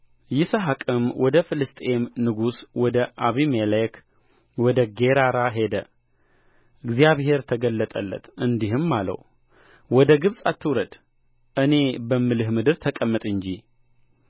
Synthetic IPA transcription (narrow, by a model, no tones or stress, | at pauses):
jɪsəɦakʼɨmwʔɔd̪əfɨlɨst̪ʼemnɨɡuswɔd̪əʔaβimelek | wɔd̪əɡe̞ɾaɾaɦe̞d̪ə | ʔɨɡzijaβɦe̞ɾt̪ʰəɡəlːət̪ʼəlːə̰t̪ɨnd̪iɦɨmːalə̰w | wɔd̪əɡɨβsʼat̪ʰːɨwɾəd̪ | ʔɨne̞bəmːɨlɨhmɨd̪ɨɾt̪ʰəkʼəmːət̪ʼɨnd͡ʒi